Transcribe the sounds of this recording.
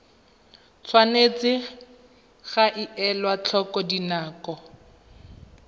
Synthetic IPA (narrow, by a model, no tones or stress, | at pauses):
t͡sʰwanet͡sɪ | ɣaʔɪʔɛlwat͡ɬʰɔkɔdinaːkɔ